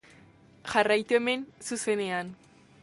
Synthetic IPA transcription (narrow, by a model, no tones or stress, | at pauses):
ʝarajt̪ue̞me̞nsuse̞ne̞an